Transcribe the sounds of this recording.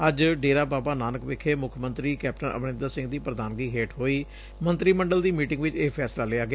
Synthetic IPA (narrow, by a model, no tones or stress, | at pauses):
əd͡ʒɖeːɾaːbaːbaːnaːnəkʋɪkʰeːmʊkʰːmənt̪ɾiːkɛːp̚ʈənə̰bnɪ̃nd̪əɾsɪ̃ŋɡd̪iːpɾəd̪aːnɡiːɦeːʈɦoːiː | mə̃nt̪ɾiːməɳɖəld̪iːmiːʈɪ̃ŋɡʋɪt͡ʃeːpʰɛːslaːlɪaːɡɪaː